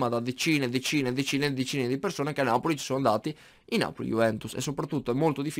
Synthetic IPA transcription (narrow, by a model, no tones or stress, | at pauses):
mad̪ad̪et͡ʃiːned̪ːet͡ʃiːned̪ːet͡ʃiːned̪et͡ʃiːned̪ipersoːnekeanːaːpolit͡ʃsond̪aːt̪i | inːa̰ːpolḭjṵvɛnt̪usḛsːopɾat̪ːut̪ːoɛmːolt̪od̪if